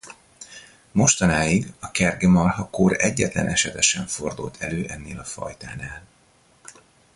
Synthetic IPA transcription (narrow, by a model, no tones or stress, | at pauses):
mo̞ʃt̪ɒnaːjiɡɒkɛrɡɛmɒrɦɒkoːɾɛɟːɛt̪lɛ̰nʔɛʃɛt̪ɛʃɛɱfo̞rd̪ṵlt̪ʰɛløːʔɛnːeːlɒfɒ̰jt̪aːnaːl